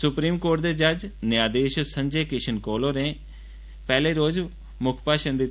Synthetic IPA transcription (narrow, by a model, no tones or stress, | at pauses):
sʊpɾiːmkoːʈ̚d̪eːd͡ʒəd͡ʒnɪjaːd̪eːʃsəɲd͡ʒeːkɪʃʰənkoːloːɾẽː | pɛːleːɾoːz | mʊkʰpaːʃənd̪it̪